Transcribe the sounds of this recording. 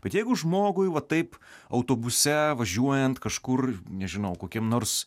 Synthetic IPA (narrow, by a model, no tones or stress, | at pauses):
b̥ʲɛt̪jɛɪɡʊʒmoːɡʊjʋɐtt̪ːɐɪpɐʊt̪oːbʊsʲɛʋɐʒʲuɔjɛnt̪kɐʃkʊrnʲɛʒʲɪnɐʊkoːkʲiɛmnoːrs